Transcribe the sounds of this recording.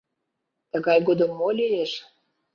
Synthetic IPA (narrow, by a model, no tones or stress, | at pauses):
t̪əɣɑjɡod̪ə̆mːolʲijeʃ